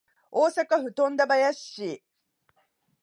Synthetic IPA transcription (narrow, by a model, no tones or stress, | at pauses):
oːsakaɸɯ̟t̪õ̞nd̪abajaɕi